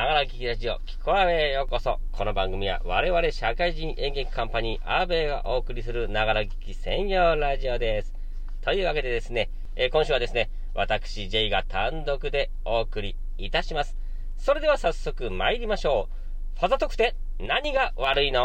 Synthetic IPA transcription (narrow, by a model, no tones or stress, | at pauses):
naɡaɾaɡʲikʲiɾaʑio̞̰kʲi̥kʰo̞aβe̞jo̞ko̞so̞ | kʰo̞no̞bãŋɡɯ̟mʲiβa̰βa̰ɾe̞βaɾe̞ɕakaiʑĩɰ̃ʔẽ̞ŋɡe̞kʲi̥kãmpaɲ̟iːʔaːbe̞ːɡa̰ʔo̞ːkɯ̟ɾʲisɨɾɯ̟naɡaɾaɡʲi̥kʲisẽ̞ɰ̃jo̞ːɾaʑio̞d̪e̞sɨ̥ | t̪o̞jɯ̟ːβake̞d̪e̞d̪e̞sɨne̞ː | kõɕɨːβad̪e̞sɨne̞ | βat̪akɯ̟̥ɕiʑe̞iɡat̪ãnd̪o̞kɯ̟d̪e̞ | o̞ːkɯ̟ɾʲiː | t̪aɕimasɨ̥ | so̞ɾe̞d̪e̞βasasːo̞kɯ̟maiɾʲimaɕo̞ː | hozat̪o̞kɯ̟̥t̪e̞ | naɲ̟iɡaβaɾɯino̞